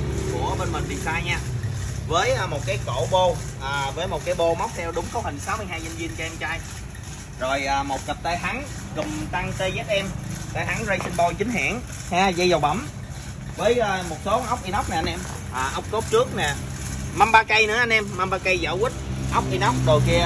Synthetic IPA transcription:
kṵ˧˩əɓe˧nmï˨˩ŋ̟vi˨˩saː˧jɲaː˧vəː˨˦jʔːmo˨˩t̚kaː˨˦jko̰˧˩ɓo˧ʔaː˨˩vəː˨˦jmo˨˩t̚kaː˨˦jɓo˧ma˨˦˥wk͡p̚sʰɛ˧wɗʊ˨˦ŋ͡mkɔ˨˦whï˨˩ŋ̟saː˨˦wmɨ˧əjɦaː˧jɲə˧nvi˧ənt͡ɕɔ˧ʔɛ˧mt͡ɕa˧j | zo˨˩jʔaː˨˩mo˨˩t̚ki˨˩k̚t̪aː˧jɦa˨˦ŋ | kɨ˨˩mt̪a˧ŋt̪e˧zɛː˦˥t̚ʔɛ˧mt̪aː˧jha˨˦ŋzə˧jsi˧nɓɔ˧jt͡ɕï˨˦ŋ̟ɦa̰ː˧˩ŋ | haː˧zə˧jza˨˩w̚ɓa˧˩m | vəː˨˦jʔəː˧mo˨˩t̚so˨˦ʔa˦˥wk͡p̚ʔi˧nɔ˦˥k͡p̚na˨ʔa˧nʔɛ˧m | ʔaː˨˩ʔa˦˥wk͡p̚ko˦˥p̚t͡ɕɨ˦˥ək̚nɛː˨˩ | ma˧mɓaː˧kə˧jnɨ̰˧˥əʔa˧nʔɛ˧mːa˧mɓaː˧kə˧jzə̰ː˧˩wi˦˥t̟̚ʔa˦˥wk͡p̚ʔi˧nɔ˦˥wk͡p̚zo˨˩jki˧

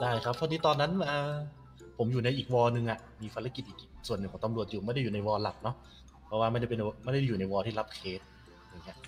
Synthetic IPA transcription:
daː˥˩jkʰa˦˥p̚ʰːɔ˦˥niː˦˥t̪ɔː˧nːa˦˥nʔaː˧ | pʰo˩˦mjuː˨˩na˧jʔiː˨˩k̚wɔː˧nɯ˧ŋʔa˨˩ | miː˧pʰa˧ɾa˧˥ki˨˩t̪̚ʔiː˨˩kʔsu˨˩ənːɯ˨˩ŋʰɔː˨˩˦ŋt̪a˧mɾu˨˩ət̪̚juː˨˩ma˥˩jda˥juː˨˩na˧jwɔː˧la˨˩k̚nɔ˦˥ | pʰɔ˧waː˧ma˥˩nda˥˩pe˧nma˥˩nda˥˩a˥˩juː˨˩na˧jwɔː˧t̪ʰiː˥˩la˦˥p̚kʰeː˦˥t̪̚ | jaː˧˩ŋːi˦˥ɐʔ

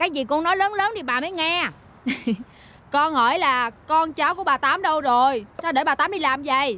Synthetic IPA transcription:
kaː˨˦jzi˨˩kɔ˧ŋnɔ˨˦jləː˨˦nləː˨˦nɗi˨˩ɓaː˨˩məː˨˦jŋɛ˧˨ | kɔ˧nhɔ˧˩jlaː˨˩kɔ˧nt͡ɕaː˨˦wku˧˩əɓaː˨˩t̪aː˨˦mɗə˧wzo˨˩jsaː˧wɗe˧˩˦ɓaː˨˩t̪aː˨˦mɗi˧laː˨˩mzə̰˧˨j

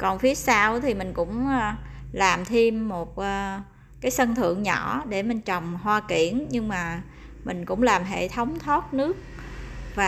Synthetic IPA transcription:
kɔ˨˩nfi˦˥ət̚saː˧wt̪ʰi˨˩mï˨˩ŋ̟kʊ̰˧˥ŋ͡mlaː˨˩mt̪ʰi˧mːo˨˩t̚ʔəː˨˧ | kaː˨˦jsə˧nt̪ʰɨ̰˧˨əŋɲɔ̰˧˩˥ɗe˧˩mï˨˩ŋt͡ɕə˨˩wŋ͡mɦwaː˧ki˧˩˨ənɲɨ˧ŋmaː˨˩ | mï˨˩ŋ̟kʊ̰˧˥ŋ͡mlaː˨˩mɦḛ˧˨t̪ʰə˨˦wŋ͡mt̪ʰɔ˦˥t̚nɨ˦˥ək̚ | vaː˨

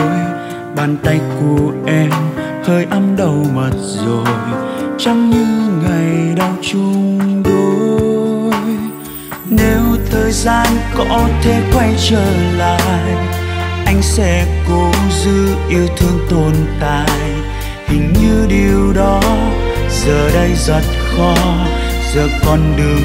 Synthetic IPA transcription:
j | ɓaː˨˩nt̪a˧jku˨˩əʔɛ˧m | həː˧jʔa˧mɗə˨˧˩wmə˨˩t̚zo˨˩jt͡ɕɔ˧ŋ͡mɲɨ˧˥ŋa˨˩jjɗa˧wt͡ɕʊ˧ŋ͡mɗo˨˦ | j | ne˨˦wt̪ʰəː˨˩jzaː˧nkɔ˧˦t̪ʰe˧˥kwa˧jt͡ɕəː˧˨˩jla̰ː˧˨jʔa˧jŋ̟sɛ̰˧˥ko˨˦zɨ˧˦ʔi˧əwt̪ʰɨ˧əŋt̪o˨˩nt̪a̰ː˧˨j | hï˨˩ŋ̟ɲɨ˧ɗi˨˩əwɗɔ˨˦ | zəː˨˩ɗə˧jzə˨˩t̚kɔ˧˦ | zəː˨˩kɔ˨˩nɗɨ˨˩əŋ

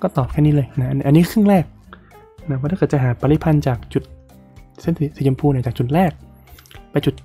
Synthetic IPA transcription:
kɔː˥˩t̪ɔː˨˩p̚kʰɛː˥˩niː˦˥lɤː˧jna˦˥ʔʔa˧nːiː˦˥˧kʰɯ˥˩˨ŋɾɛː˥˩k̚ | na˦˥ɔː˧˩a˥˩kːɤ˨˩t̚t͡ɕa˨˩ɦaː˨˩˦paː˧li˦˥pʰa˧nt͡ɕaː˨˩k̚t͡ɕu˨˩t̪̚ | se˥˩nsi˨˧˩si˨˩˦t͡ɕa˧mpʰuː˧na˧˩t͡ɕaː˨˩t͡ɕu˨˩t̪̚ɾɛː˥˩k̚ | pa˧jt͡ɕu˨˩t̪̚

